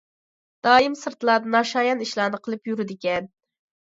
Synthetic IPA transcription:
d̪̥ɑːjimsɨɾt̪lˠɑːd̪ɨnɑʃɑːjɑniʃlˠɑːnɨqʰəlˠɨpjyɾɪd̪ɪkʲɛn

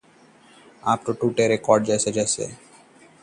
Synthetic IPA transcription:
apɾoʈuʈeɾekɔɾɖd͡ʒesed͡ʒesḛ

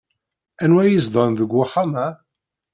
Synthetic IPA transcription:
ænwæjizd̪ˤɑnðəɡʷːʊħamæ

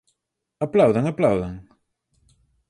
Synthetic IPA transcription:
aplawðaŋaplawðaŋ

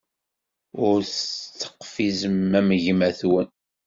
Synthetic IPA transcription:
ʊɾθt͡sːə̥qːfizəmːæməʝmæθwən

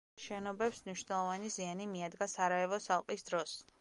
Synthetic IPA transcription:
ʃɛnɔbɛpsmniʃwnɛlˠɔvanizianimiad̪ɡasaɾaɛvɔsalˠqʼisd̪ɾɔs

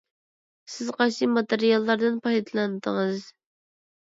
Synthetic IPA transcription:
sɪzqʰɑʃimɑt̪eɾijɑlˠːɑɾd̪ɨnpʰɑjd̪lˠɑnɨd̪əŋɨz

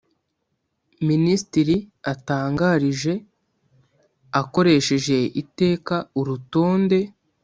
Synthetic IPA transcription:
ministiɾiataːŋɡaːɾiʒe̞ | ako̞ɾe̞ʃe̞ʒe̞ite̞ːkauɾuto̞ːnde̞

